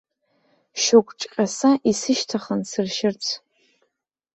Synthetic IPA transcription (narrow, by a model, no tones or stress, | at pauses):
ʃokʷʼʈ͡ʂʼqʲʼasaʔisɨʃtʰaχənsɨrʃɪrt͡sʰ